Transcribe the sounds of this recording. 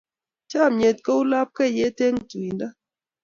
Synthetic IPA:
t͡ʃa˦˨mɲe˨t̚kə˦u˦la˦p̚kɛ˦˨je˦te˦ŋtu˨i˨nda˦

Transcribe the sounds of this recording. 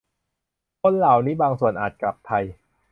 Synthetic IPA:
kʰo˧nlaː˨˩wniː˦˥baː˧ŋsu˨˩ənʔaː˨˩t̪̚kla˨˩pʰːa˧j

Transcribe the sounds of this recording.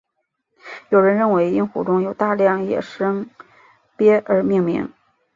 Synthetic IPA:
jo˨˩ʊɻə˧˥nɻə˥˩nwe˧˥ɪi˥nxu˨˩ʈ͡ʂʊ˥ŋjo˨˩ʊt̪a˥˧ljɑ˥˩ŋjɛ̰˨˩ʂɤ˥ŋ | pjɛ˥ə˞˧˥mi˥˧ŋmḭ˧˥˦ŋ

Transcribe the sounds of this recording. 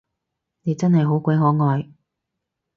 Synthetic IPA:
ne˨˧jt͡sɐ˥nhɐ˨jɦo˨˥wkʷɐ˨˧˥jɦɔː˨˥ŋɔː˨j

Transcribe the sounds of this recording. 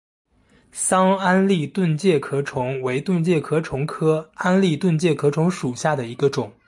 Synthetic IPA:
sɑ˥ŋa˥nli˥˧t̪wə˥˧nt͡ɕjɛ˥˩kʰɤ˥ʈ͡ʂʰʊ˧˥ŋwe˧˥ɪt̪wə˥˧nt͡ɕjɛ˥˩kʰɤ˥ʈ͡ʂʰʊ˧˥ŋkʰɤ˥a˥nli˥˧t̪wə˥˧nt͡ɕjɛ˥˩kʰɤ˥ʈ͡ʂʰʊ˧˥ŋʂu˨˩ɕja˥˩d̪ə˩i˧˥ɡə˧ʈ͡ʂʊ˨˩˦ŋ

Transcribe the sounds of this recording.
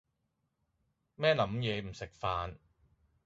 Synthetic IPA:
mɛː˥lɐ˨˥mjɛː˨˧m̩˨˩sɪ˨k̚faː˨˧n

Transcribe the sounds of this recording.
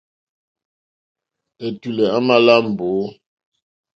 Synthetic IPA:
ɛ˨tu˨lɛ˨a˦ma˨la˦m̩˨bo˨˦

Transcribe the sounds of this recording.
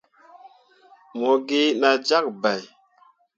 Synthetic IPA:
mo˨ɡi˦na˨d͡ʒa˦k̚ba˨j

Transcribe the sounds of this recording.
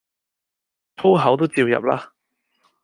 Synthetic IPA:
t̪ʰo˥wɦɐ˨˥wt̪̬wt͡siː˧wjɐ̰˨p̚laː˥

